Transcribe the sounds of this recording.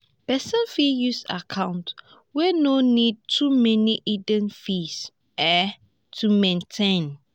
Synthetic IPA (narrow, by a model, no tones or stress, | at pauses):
pɛsə̃nfijusa̰kʰãʊ̃nt | wɛnonid̚tʰumɛniʔidə̃nfis | ɛ | tʰumẽntʰẽn